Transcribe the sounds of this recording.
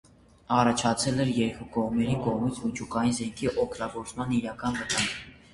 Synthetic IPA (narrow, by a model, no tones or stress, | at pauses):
ɑrɑt͡ʃʰɑt͡sʰɛlɛɾjɛɾkukɔʁmɛɾikɔʁmit͡sʰmit͡ʃʰukɑjinzɛŋkʰiʔɔkʰt̪ɑɡɔɾt͡smɑniɾɑkɑnvət̪ɑŋɡ